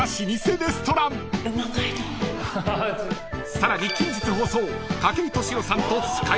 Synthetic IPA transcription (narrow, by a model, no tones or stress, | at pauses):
aɕiɲ̟ise̞ɾest̪o̞ɾãn | ɯmakait̪o | saɾaɲ̟ikʲĩɲ̟d͡ʑɨt͡sɨhoːso̞ː | kakeɾʲit̪o̞ɕiɾo̞sãnt̪ot͡sɨ̥ɨ̥ka